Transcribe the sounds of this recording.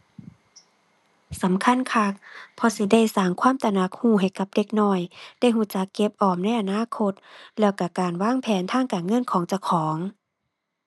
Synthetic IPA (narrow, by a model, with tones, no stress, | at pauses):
sa˨˦mkʰa˧˥˨nkʰa˧k̚pʰɔ˧si˧˦da˧˩˨jsaː˧˩ŋkʰwaː˧˥˨mt̪a˧˨na˧˦k̚huː˧˩ɦa˨˩jka˧˦p̚de˧˦k̚nɔː˧˥˩jd̥a˧˥˨jɦuː˧˩˨t͡ɕa˧˦kːe˧˦p̚ʔɔː˨˩mna˧˥˨jʔa˨naː˧˥˨kʰo˧t̪̚lɛː˧˩wka˧˩kaː˨˩nwaː˧˥˨ŋpʰɛː˨˦nt̪ʰaː˧˥˩ŋkaː˨˩nŋɤ˧˥˨nkʰɔː˨˦ŋt͡ɕa˧˩wkʰɔː˨˦ŋ